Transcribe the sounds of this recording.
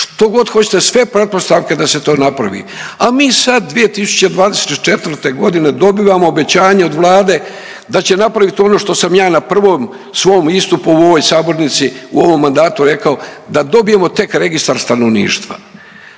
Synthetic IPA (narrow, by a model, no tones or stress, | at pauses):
ʂt̪o̞ɡo̞d̪xo̞t͡ɕe̥t̪esʋe̞pɾe̞t̪̚po̞st̪aʋked̪aset̪o̞ːnapɾaʋḭamiːsad̪̚ːʋije̞t̪isu̥t͡ɕe̞d̪ʋaːd̪eset̪t͡ʃe̞t̪vr̩ɾt̪e̞ɡo̞d̪ine̞d̪o̞biʋamo̞ːbe̞t͡ɕaːɲeod̪ʋlˠaːd̪e̞ | d̪at͡ɕe̞napɾaʋit̪o̞no̞ʂt̪o̞samjaːnapr̩ʋo̞ːm | sʋo̞ːmist̪upuuoʋojsaːbo̞ɾnit̪siṵo̞ʋo̞mːand̪aːt̪uɾe̞kao̞d̪ad̪o̞bije̞mo̞t̪e̞kɾe̞ɡist̪aɾst̪anoʋnḭːʃt̪ʋa̰